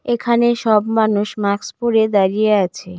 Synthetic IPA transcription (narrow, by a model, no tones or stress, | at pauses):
ekʰaneʃɔbmanuʃmakspoɾed̪aɾijeat͡ɕʰe